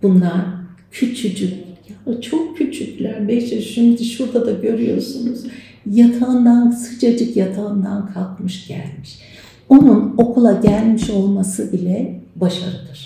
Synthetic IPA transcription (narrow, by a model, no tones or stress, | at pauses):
b̥unlˠaɾcʰyt͡ʃʰyd͡ʒyjat͡ʃʰo̞kcʰyt͡ʃʰycʲlʲæɾbɛd͡ʒɛʃimd̪iʃuɾd̪ad̪aɟø̞ɾyjo̞ɾsunuz̥ | jat̪ʰaɯnd̪ansɯt͡ʃʰad͡ʒɯkjat̪ʰaɯnd̪a̰nkʰalˠkmɯʃɟ̥æ̰lʲmiʃ | o̞nuno̞kʰulˠaɟælʲmiʃo̞lˠmasɯbilʲɛbaʃaɾɯd̪ɯɾ̥